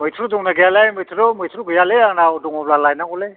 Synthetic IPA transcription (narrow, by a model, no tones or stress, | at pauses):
mɯjtʰɾuduŋnaɡijalajmɯjtʰɾomɯjtʰɾuɡɯjaleaŋnaduŋɔblalajnaŋɔle